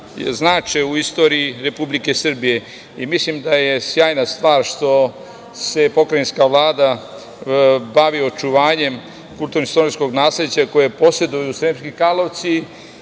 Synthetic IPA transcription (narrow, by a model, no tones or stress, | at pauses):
znaːt͡ʃeuist̪o̞ɾiiɾe̞publike̞sr̩bije̞ | imislimd̪aje̞sjaːjnast̪ʋaːɾʃt̪o̞ | se̞po̞kɾainskaʋlˠaːd̪a | baʋio̞t͡ʃuʋaːɲe̞m | kulˠt̪uɾnist̪onisko̞ɡnaːslʲed̪t͡ɕako̞jepo̞sje̞d̪ujusɾemskikalˠoʋt̪si